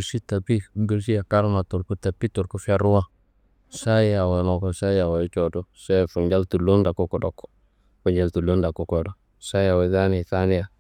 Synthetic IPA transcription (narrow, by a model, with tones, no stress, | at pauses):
ɾsi˦ta˨pi˦m˦bi˨ɾsi˦ja˨ka˦ɾna˨tu˨ɾku˦ta˨pːi˦to˨ɾku˦fa˦ɾu˦wa˦ | sa˦ja˨wa˨lo˨ko˨sa˦ja˨wa˨˦t͡ʃo˨to˦sa˦˨fu˨ɲd͡ʒa˦ltu˨lo˦nda˨ko˦ko˨do˨k | fu˨ɲd͡ʒa˦ltu˨lo˦nda˨ku˦ko˨do˨˦ | sa˦jja˨we˨˦za˦ni˨ta˦ni˦ja˨